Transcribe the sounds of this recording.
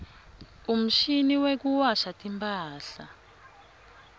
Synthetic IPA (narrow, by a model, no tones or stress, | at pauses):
um̩ʃiniwek̬uwaʃatʼimpʰaːɬa